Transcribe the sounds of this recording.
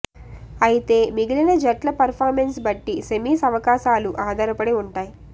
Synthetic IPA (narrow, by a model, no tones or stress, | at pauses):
ɐjit̪e̞ːmiɡilɐnɐd͡ʒɐʈlɐpɐɾpʰaːɾmensbɐʈːisemiːsɐʋɐkaːʃaːluʔaːd̪ʱɐɾɐpɐɽeuɳʈaːji